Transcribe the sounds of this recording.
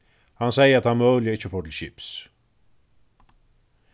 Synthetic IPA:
hɑnsɛɪəɾat̪hɑnmœːlɪəɪçəfoːʈʰɪlɕɪps

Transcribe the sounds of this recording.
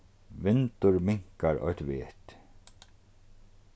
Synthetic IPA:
vɪnt̪ʊɹmɪŋ̥kaɾʔɔ̰jt̪veːt̪

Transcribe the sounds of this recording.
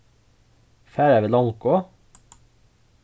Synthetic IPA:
fæːɾæʋɪlɑŋkoː

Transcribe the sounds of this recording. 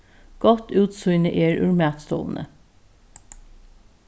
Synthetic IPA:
ɡ̥ɔt̪ʰʉːt̪sʊʏnəʔeːɹʉɹmæːt̪st̪ʰo̰ːln̩ʔə̰

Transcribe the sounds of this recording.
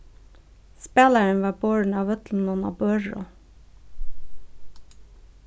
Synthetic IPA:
speːlæɹənʋɑːboːɹɳ̩ɑːʋœt̪ln̩ɔnɑ̰ːbœɹɔ̰

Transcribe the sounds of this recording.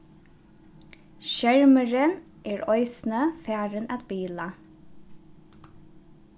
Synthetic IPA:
ʃæɹməɹən | eːɹɔʏsn̩əfæːɹənæt̪biːlə

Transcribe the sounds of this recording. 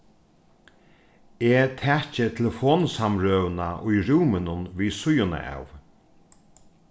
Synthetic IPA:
et̪ʰɛːt͡ʃɪt̪ʰɪlfoːnsamɾøːwnaʔʊjɾuːmɪnʊnviːsʊjʊna̰a̰w

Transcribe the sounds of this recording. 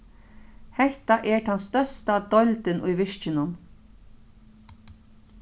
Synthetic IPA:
hɛht̪aʔɛɹt̪ʰanst̪œst̪ad̪ɔʏlt̪ənʊjʋɪʂt͡ʃənʊm

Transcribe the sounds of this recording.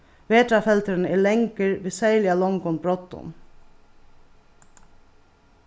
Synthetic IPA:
ʋeːt̪ɾafɛlt̪əɾnɛɭɛŋkəɾʋɪːsæɪlɪalɔŋkɔnbɾɔt̪ːʊ̰m

